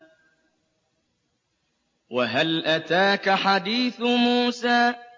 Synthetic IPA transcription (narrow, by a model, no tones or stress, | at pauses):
waɦalʔat̪aːkaħad̪iːθmuːsaː